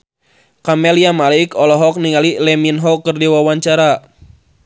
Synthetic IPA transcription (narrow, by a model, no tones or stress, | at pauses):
kamɛliamalaikɔlɔɦɔk̚niŋalilɛminɦɔkɨrdiwawaɲt͡ʃaɾa